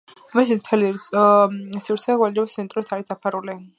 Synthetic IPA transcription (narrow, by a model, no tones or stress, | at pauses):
mɛʃ̬imt̪ʰɛliɾʼ | siɾt̪sʰɛɡwɛld͡ʒɛbst̪sʰɛnt̪ʼɾit̪ʰaɾisd̪apʰaɾuli